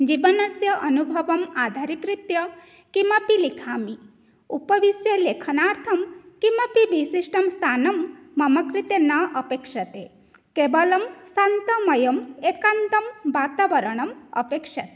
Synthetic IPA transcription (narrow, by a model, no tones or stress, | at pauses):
d͡ʒibɐnɐsjɐʔɐnubʱɐʋɐmaːd̪ʱaːɾikɾit̪jɐ | kimɐpilikʰaːmi | upɐʋisjɐleːkʰɐnaːɾt̪ʰɐmkimɐpibʱisiʃʈɐmst̪ʰaːnɐmːɐmɐkɾit̪enaːʔɐpeːkʂɐt̪e | keːbɐlɐmsant̪ɐmɐjɐmeːkant̪ɐmbaːt̪aːʋɐɾɐɳ̃ɐmɐ̰peːkʂɐt̪e